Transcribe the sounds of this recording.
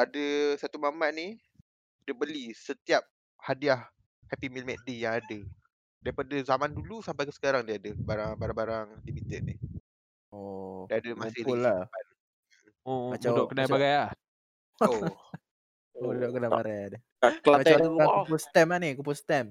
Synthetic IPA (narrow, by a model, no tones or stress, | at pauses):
adəsat̪umamaʔ̚ni | dəbəlisət̪iap̚ | hadiah | hɛpimilmɛt̪̚dijaŋadə | daɾipadəzamandulusampajkəsə̥kaɾaŋdəadəbaɾaŋbaɾaŋbaɾaŋlimit̪ət̪̚nih | odaadəmasɪlulapa | omadaudɔʔkənajbaɡajah | o | oodudoʔkənajbaɡajadə | aklamat̪ɛauakupulst̪ɛmanikup̬ulst̪ɛm